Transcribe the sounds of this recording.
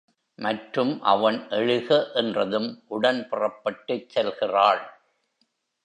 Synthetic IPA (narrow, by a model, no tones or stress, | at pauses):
mɐʈrɯmʔɐ̰ʋɐnʔɛɻɯɣɐʔɛndrɐðɯmʔʊɽɐnpɪrɐpːɐʈːɐt͡ʃsɛlɣɪraːɭ